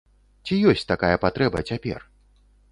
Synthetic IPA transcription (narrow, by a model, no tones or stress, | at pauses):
t͡sʲijɔsʲt͡sʲt̪akajɐpat̪ɾɛbɐt͡sʲapʲɛ̰r